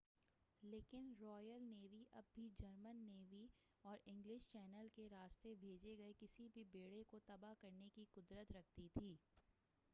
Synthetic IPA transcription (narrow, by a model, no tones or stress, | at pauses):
leːkɪnɾɔːjəlneːʋiʔɐb̚ːʱid͡ʒɐɾmənːeːʋiɔːɾɪ̃ŋɡlɪʃt͡ʃɛːnəlkeɾaːst̪ebʱeːd͡ʒeɡɐekɪsibʱibeːɽekot̪ɐbakɐɾnekiqʊd̪ɾət̪ɾɐkʰt̪it̪ʰiː